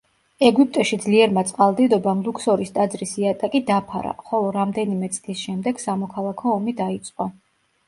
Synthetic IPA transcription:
ɛɡup̚t̪ʼɛʃid̪zliɛɾmat̪sʼqʼalˠd̪id̪ɔbamlˠuksɔɾist̪ʼad̪zɾisiat̪ʼakʼid̪apʰaɾa̰χɔlˠɔɾamd̪ɛnimɛt̪sʼlisʃɛmd̪ɛɡ̥samɔkʰalˠakʰɔːmid̪ait̪sʼqʼɔ

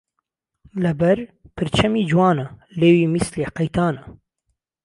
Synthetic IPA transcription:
lɨbɛɾpʰɨɾt͡ʃʰɛmiːd͡ʒwɑːnɐleːwiːmisleːqɐjt̪ʰaːnɐ

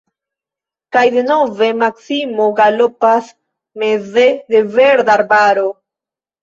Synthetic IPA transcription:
kajd̪e̞no̞ve̞maksimo̞ɡalo̞pas | me̞ze̞d̪e̞ve̞ɾd̪aɾbaɾo̞

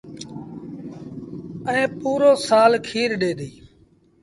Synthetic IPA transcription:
əẽːpuːɾoːsaːlkʰiːɾɗeːɗ̪iː

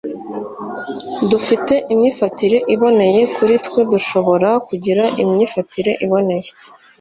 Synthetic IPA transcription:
dufite̞ʔimɲiːfatiɾe̞ʔiβo̞ne̞je̞kuɾitwe̞duʃo̞βo̞ɾakuɟiɾaʔimɲiːfatiɾe̞ʔiβo̞ne̞je

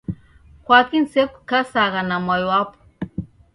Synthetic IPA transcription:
kwakin̩sepkasaɣanamajwwapɔ̥

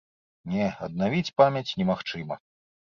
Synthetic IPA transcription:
nʲɛɐd̪̚navʲit͡sʲpamʲjɐt͡sʲnʲɛmaxt͡ʂɨmɐ

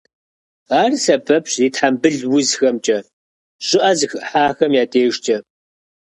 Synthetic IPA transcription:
aːrsɐbʰɐpɕziːtħambɨɮwʊzxɐmt͡ʃʼɐ | ɕʼɪʔɐzɨxʔħaːxɐmjaːtʰeːʒt͡ʃʼɐ

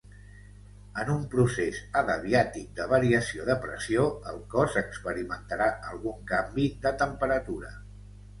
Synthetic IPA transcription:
ənumpɾusezəðəβiat̪ik̚d̪əβəɾiəsioðəpɾə̰sioəlˠkɔzəkspəɾimənt̪əɾaʔəlˠɣuŋkambiðət̪əmpəɾət̪uɾə

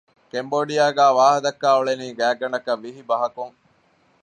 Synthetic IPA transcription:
kemboːɖijaːɡæːʋaːɦɐd̪ɐkːæːoɭeniːɡæːɡɐnɐkɐʋːiɦibɐɦɐkuŋ

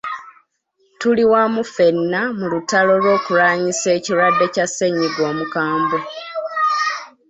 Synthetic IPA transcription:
tuliwamufe̞nːamulutalo̞lwo̞ːkulaːɲise̞ːciɾwadːe̞case̞ɲiɡwo̞ːmukaːmbo

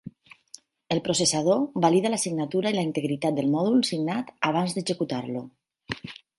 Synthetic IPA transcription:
elˠpɾosesað̞oβaliðalasiɡnat̪uɾailaint̪eɣɾit̪at̪̚d̪elˠmɔð̞ulsiɡnat̪aβ̞anzd̪ezekut̪aɾlu

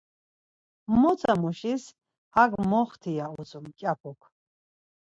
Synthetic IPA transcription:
mɔt͡sʰʼamuʃis | haɡmɔχt̪ʰijaut͡sʼumkʲʼjapʰɔkʰ

